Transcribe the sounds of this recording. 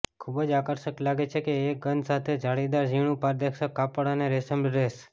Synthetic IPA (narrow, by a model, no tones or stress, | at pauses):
kʰubəd͡ʒakəɾʃəklaɡet͡ʃʰekeːɡənd̪sat̪ʰed͡ʒʱaɽid̪aɾd͡ʒiɽ̃ũpaɾd̪ekʃəkːapəɽaneɾesəmɾes